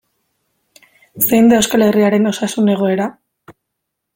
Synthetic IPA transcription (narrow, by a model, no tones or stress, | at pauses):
sejnd̪eewskale̞riaɾe̞no̞sasune̞ɣ̞o̞e̞ɾa